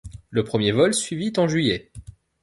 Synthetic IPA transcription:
ləpχəmjevɔlsɥivit̪ɑ̃ʒɥijɛ

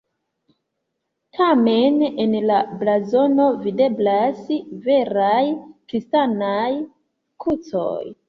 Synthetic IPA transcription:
tʰame̞nenlablazo̞no̞vide̞blasve̞ɾajkɾistanaj | kʰut͡so̞̰j

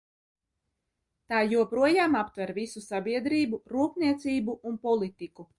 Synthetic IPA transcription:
t̪aːjuɔpɾuɔjaːmapt̪vɛɾvisusabiɛd̪ɾiːbuɾuːpnʲiɛt̪siːbuʔːnpɔlˠit̪iku

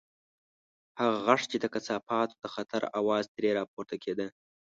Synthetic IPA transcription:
haɣaɣaʂt͡ʃed̪əkat͡sɑpɑt̪o̥d̪əxat̪ʰaɾawɑːzd̪ɾeɾɑpoɾt̪akʰed̪ə

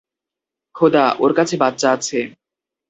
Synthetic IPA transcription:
kʰod̪aʔoɾkat͡ɕʰebat̪ːɕaat͡ɕʰe

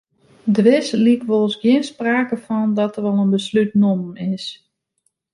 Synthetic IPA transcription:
dəʋɪslikʋolˠsɡjɪənspraːkəfɔndɔtərʋɔlˠənbəslytnomɪs

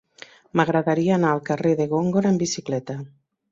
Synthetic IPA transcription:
maɣ̞ɾaðaɾiaːnaːlˠkareðeɣoŋɡoɾembisiklɛt̪a

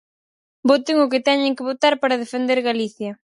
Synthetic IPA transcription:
bot̪ɪŋʊk̬ɪt̪ɛɲɪŋkɪβot̪aɾpaɾɐð̞efend̪eɾɣaliθjɐ

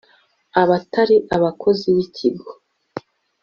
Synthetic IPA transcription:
aβataɾiʔaβakʰo̞ziβicʰiɡo

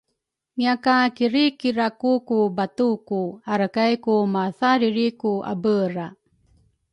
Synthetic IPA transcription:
ŋiakakiɾikiɾakukubatukuaɾakajkumaθaɾiɾikua̰bəɾa

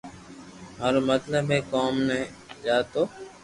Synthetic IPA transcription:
maːɾoːmət̪ləbɦeːkoːmnɛ̃ː | d͡ʒaːt̪oː

